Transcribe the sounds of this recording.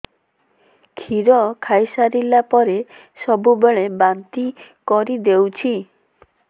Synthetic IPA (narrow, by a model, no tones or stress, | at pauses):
kʰiɾɔkʰajsaɾilapɔɾe | sɔbubeɭebant̪ikɔɾid̪ewt͡ʃʰi